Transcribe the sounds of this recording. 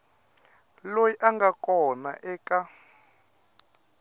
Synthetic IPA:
lojiʔaŋɡakʼɔna̰ʔɛːkʼa

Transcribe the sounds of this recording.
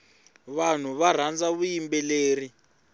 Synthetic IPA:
βan̤uβar̤and͡zaβujimbɛleːri

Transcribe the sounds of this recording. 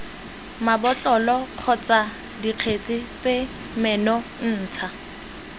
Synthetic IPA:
mabɔt͡ɬʼɔlɔq͡χʰɔt͡sa | diq͡χʰet͡sʼɪt͡se | mɛnɔn̩ːt͡sʰa

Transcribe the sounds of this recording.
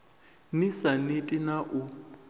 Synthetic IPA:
nisanitʼinaʔʊ

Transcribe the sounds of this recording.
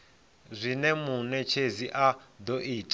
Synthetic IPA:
zʷinɛmunɛt͡ʃʰeziʔad̪ɔʔiːtʼ

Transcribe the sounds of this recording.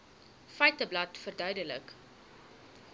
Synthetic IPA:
fɛjtəblɐtfərdœɥdələk

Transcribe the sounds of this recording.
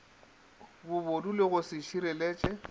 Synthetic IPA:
bʊβodulɪɣʊsɪʃiɾɛleːt͡ʃʼɛ

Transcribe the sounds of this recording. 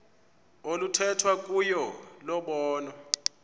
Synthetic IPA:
olutʰɛtʰwak̬ʼujɔlɔɓɔːnɔ

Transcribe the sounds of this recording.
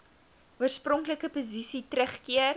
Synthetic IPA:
uərsprɔŋkləkəpozisitɾəχkiər

